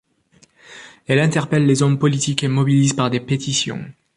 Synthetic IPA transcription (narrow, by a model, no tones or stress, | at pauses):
ɛlɛ̃t̪ɛʁpɛlːezɔmpɔlit̪ikemɔbilizpaʁd̪epet̪isjɔ̰̃